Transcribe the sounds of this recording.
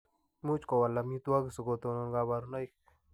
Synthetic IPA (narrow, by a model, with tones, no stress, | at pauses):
mu˦t͡ʃko˨wa˨la˧mi˦t̪u˦a˦ki˨su˨ɡo˧t̪o˧no˧nɡa˧βa˧ɾuna˦jk